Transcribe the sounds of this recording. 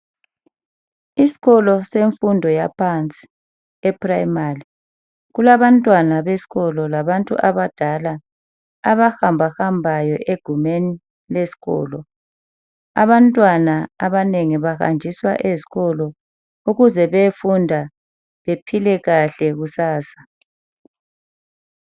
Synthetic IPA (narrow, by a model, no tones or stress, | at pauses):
isi̥ɣɔlɔseɱfundʱɔjapʰant͡sʼi̥ | ɛpʰrajmari | ɣulaβantʼwanaβesi̥ɣɔlɔlaβantʼṵʔaβad̥ʱalaː | βaxambʱaxambʱajɔʔeɡ̥ʱumeni | lesi̥ɣɔ̰ːlɔ | a̰βantʼwanaaβaneŋiβaxa̰nd͡ʒʱiswa̰ʔeziɣɔlɔ | uɣuzɛβefundʱa | βepʰilɛɣaɬɛɣusaːsḁ